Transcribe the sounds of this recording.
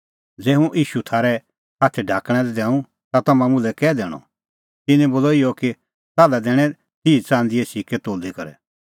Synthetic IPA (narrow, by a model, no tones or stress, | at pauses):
d͡zeːɦũʔiːʃut̪ʰaːɾɛ | haːt̪ʰɛɖʱaːkɽ̃ɛ̃lɛd̪ɛ̃ːũ | t̪at̪ɐmãmʊ̃lɛkɛːd̪ɛːɽ̃ɔ̰ | t̪ɪnɛ̃boːlɔɪjɔki | taːlad̪ɛːɽ̃ɛ̃ | t̪iːt͡sãːnd̪ɪɛsiːkɛt̪oːlikɐɾɛ̰